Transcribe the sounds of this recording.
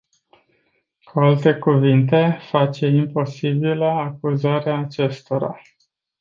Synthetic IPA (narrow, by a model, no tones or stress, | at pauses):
kualt̪e̞kuvint̪e̞fat͡ʃe̞impo̞sibiləakuzaɾeaːt͡ʃe̞st̪o̞ɾa̰